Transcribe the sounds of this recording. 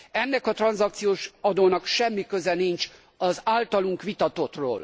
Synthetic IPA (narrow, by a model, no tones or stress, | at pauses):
ɛnːɛkɒt̪rɒnzɒk̚t̪sijoːʃɒd̪oːnɒkʃɛmːikøzɛnint͡ʃ | ɒzaːlt̪ɒluŋkʋit̪ɒt̪o̞t̪ro̰ːl